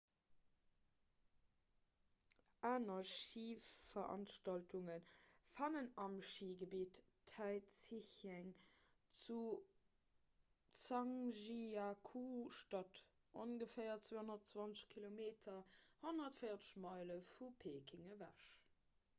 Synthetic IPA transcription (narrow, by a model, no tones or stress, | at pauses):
ʔaːnɐʃiːfɐɑ̰nʃtɑltʰuŋənfɑnənɑmʃiːɡəbiːt | æɪt͡siçæŋ | t͡su | t͡sɑŋʒiakʰuʃtɑt | ʔonɡəfeɪɐt͡sweːhonɐtt͡svɑnt͡səɕkʰilomeːtʰɐhonɐtfəɪɐt͡sə̥ʃmɑɪləfupʰeːkʰiŋəvæ̰ʃ